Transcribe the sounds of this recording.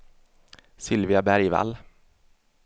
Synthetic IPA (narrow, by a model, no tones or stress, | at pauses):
sɪlvɪabæɾjva̰lː